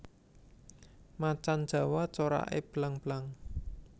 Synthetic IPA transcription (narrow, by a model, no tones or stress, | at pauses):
mat͡ʃand̥ʒ̥ä̤wat͡ʃoɾa̰ʔḛb̥laŋb̥laŋ